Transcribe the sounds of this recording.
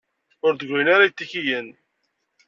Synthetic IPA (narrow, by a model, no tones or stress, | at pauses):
ʊɾðəɡʷːijənaɾajət̪ːiçijən